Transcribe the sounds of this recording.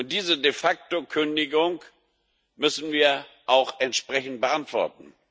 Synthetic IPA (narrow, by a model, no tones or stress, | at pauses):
ʊnt̚d̥iːzədefak̚tokʰʏndɪɡʊŋk | mʏsn̩viːɐ | ʔaʊxɛntʃpʁ̥ɛçn̩t̚b̥əʔantv̥ɔ̰ɐtn̩